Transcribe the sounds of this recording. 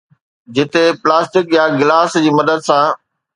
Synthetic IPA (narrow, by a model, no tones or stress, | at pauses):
d͡ʑɪt̪eplaːsʈɪkjaɡɪlaːsd͡ʑiːmɐd̪əd̪sãː